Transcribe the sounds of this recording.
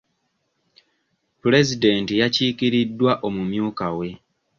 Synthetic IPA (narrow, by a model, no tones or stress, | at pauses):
pule̞zide̞ːntijaciːkiɾidːwaʔo̞mumjuːkawe̞